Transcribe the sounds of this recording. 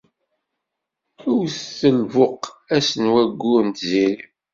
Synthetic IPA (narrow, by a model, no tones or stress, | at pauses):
ʊwθθəlvʊqæsənwæɡːʊɾnt̪ziɾi